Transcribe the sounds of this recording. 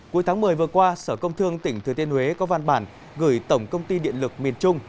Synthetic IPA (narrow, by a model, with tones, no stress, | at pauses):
ku˨˦əjt̪ʰaː˨˦ŋmɨ˨˩əjvɨ˨˩əkwaː˧səː˧˩kə˧wŋ͡mt̪ʰɨ˧əŋt̪ï˧˩ŋt̪ʰɨ˨˩ət̪i˧ənhwe˨˦kɔ˨˦va˧nɓaː˧˩n | ɣɨ˧˩jt̪ə˧˩wŋ͡mkə˧wŋ͡mt̪i˧ɗḭ˧˨ənlɨ˨˩k̚mi˨˩ənt͡ɕʊ˧ŋ͡m